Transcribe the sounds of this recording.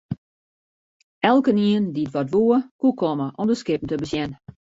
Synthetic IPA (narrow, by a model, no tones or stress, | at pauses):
ɛlˠkəniəndiətʋɔtʋuːəkukʰɔməʔɔmdəskɪp̚n̩təbəsjɛn